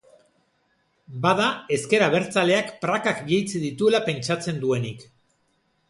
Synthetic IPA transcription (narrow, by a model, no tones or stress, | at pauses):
bað̞ae̞ske̞ɾaβ̞e̞ɾt͡sale̞akpɾakakbiejt͡siðit̪ue̞lape̞nt͡ʃat͡se̞nd̪ue̞nik